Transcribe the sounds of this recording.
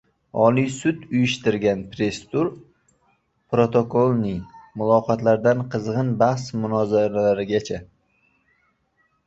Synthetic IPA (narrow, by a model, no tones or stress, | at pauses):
ɒlijsʊt̪ʊjɪʃt̪ɪɾɡʲanpɾe̞st̪ʊɾ | pɾot̪ʰo̞kolˠnɪŋmʊlˠɒqɒt̪laɾd̪anqʰɨzʁɨnbahsmʊnɒzaɾalaɾɪɡʲat͡ʃʰa